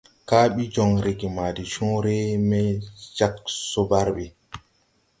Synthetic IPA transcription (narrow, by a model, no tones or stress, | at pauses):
kaːɓid͡ʒɔŋɾiɡimaːdit͡ʃɔ̃ːɾɛmɛd͡ʒaksɔbaɾɓɛ